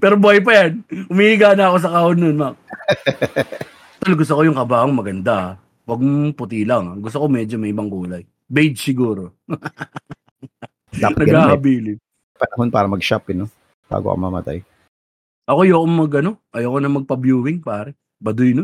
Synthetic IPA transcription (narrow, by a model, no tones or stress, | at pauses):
pɛːɾobʊɐjpɐjanʊmiɪɡaːnɐɐko̞s̬ɐkaːʔonːonmak̚ | t̪olɡʊs̬t̪okojʊŋkɐbaːʔoŋmɐɡɐnd̪a | wɐɡ̚mpʊt̪ilɐŋɡʊst̪oko̞mɛːd͡ʒomɐʔɪbɐŋkuːlɐj | bejd͡ʒsɪɡuːɾo̞ | apnɐɡɐɡaːhɐbiːlɪn | pɐnɐɦonpa̰ːɾɐmɐɡʃapɛno | b̥a̰ːɡo̰ʔko̰mɐ̰mɐ̰t̪a̰j | ʔɐko̞jokoŋmɐɡʔɐno̞ʔɐjɐkonɐmɐɡ̚pɐbjuːwɪŋpaːɾɛ | bɐd̪ʊjnon